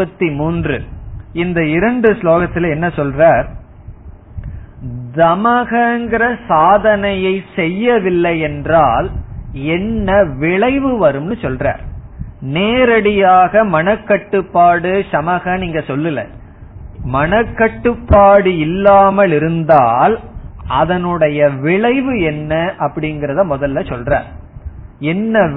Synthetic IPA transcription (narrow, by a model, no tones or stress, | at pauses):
ɐt̪ːimuːndrɯ̰ɪnd̪ɐɪɾɐɳɖɯsloːɣɐt̪ːɪlɛnːɐsɔlraːɾ | d̪ɐmɐɣɐŋɡɪɾɐsaːðɐnɐjɐɪsɛjːɐʋɪlːɐjɛndraːlɛnːɐʋɪɭɐɪʋɯʋɐɾɯmnɯsɔlra̰ːɾneːɾɐɽɪjaːɣɐmɐnɐkːɐʈːɯpːaːɽɯsɐmɐɣɐniːŋɡɐsɔlːɯlɐ̰ | mɐnɐkːɐʈːɯpːaːɽɯɪlːaːmɐlɪɾɯnd̪aːlɐðɐnɯɽɐjɐʋɪɭɐɪʋɯɛnːɐʔɐpːɐɽɪnɡɪɾɐðãːmɔðɐlːɐsɔlra̰ːɾ | ɛnːɐ